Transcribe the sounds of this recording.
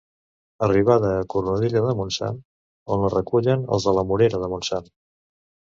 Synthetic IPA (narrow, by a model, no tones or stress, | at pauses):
əriβ̞aðəːkuɾunuðiʎəðəmunsa̰n | onlərəkuʎənə̰lˠzðələmuɾeɾəðəmunsan